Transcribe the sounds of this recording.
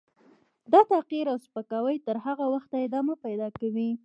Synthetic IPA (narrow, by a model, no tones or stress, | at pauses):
d̪ɑt̪aqiɾawspəkɑwəjt̪əɾɦaɣawaxt̪aɪd̪ɑmapajd̪ɑkawi